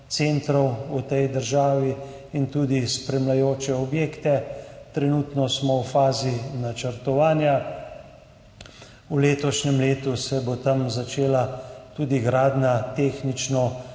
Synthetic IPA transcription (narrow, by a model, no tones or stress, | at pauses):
t̪seːnt̪ɾɔwut̪ɛjd̪əɾʒaːʋi | int̪uːd̪ispɾɛmlajoːt͡ʃɛɔbjeːkt̪ɛt̪ɾɛnuːt̪nɔsmɔwfaːzinat͡ʃəɾt̪ɔʋaːnja | uleːt̪ɔʃnɛmleːt̪usɛbot̪ɐmzat͡ʃeːlat̪uːd̪iɡɾaːd̪nat̪eːxnit͡ʃnɔ